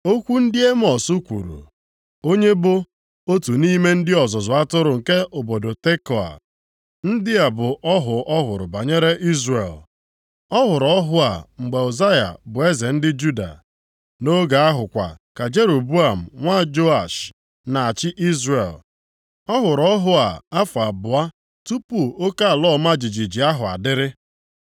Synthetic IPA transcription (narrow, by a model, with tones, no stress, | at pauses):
o˦kʷu˦n̩˦dɪ˦e˦m̩˦ɔ˨sʊ˦kʷṵ˨ɾṵ˨ | o˦ɲe˦bo˦ | o˦tu˨niː˦me˦n̩˦dɪ˦ɔ˨zɔ˨zʊ˨a˦tʊ˦ɾʊ˨ŋ̩˨ke˦ʔo˨bo˨do˨te˦kɔ˨a̰˨ | n̩˦dɪ˦a˨bʊ˨ʔɔ˦ɦʊ˨ʔɔ˦ɦʊ˨ɾʊ̰˨ba˨ɲe˦ɾe˦ʔi˦zrḛ˨l | ɔ˦ɦʊ˨ɾʊ˨ɔ˦ɦʊ˦a̰˨ŋ͡m̩˨ɡ͡be˨o˨za˦ja̰˨bʊ˨e˦ze˨n̩˦dɪ˦d͡ʒu˦da̰˨ | no˦ɡa˨a˦ɦʊ˨kʷa̰˨ka˨d͡ʒe˦ɾu˨bu˦a˨m̩˨ŋʷa˦d͡ʒo˦a˨ʃ | na˨a˨t͡ʃɪ˦ʔi˦zre˨l | ɔ˦ɦʊ˨ɾʊ˨ɔ˦ɦʊ˦a˨a˦fa˨bʊ˨a˦ | tu˦pu˨o˦ka˦a˨lɔ˦˨ma˦d͡ʒi˨d͡ʒi˨d͡ʒi˨a˦ɦʊ˨a̰˨dɪ˦ɾɪ˦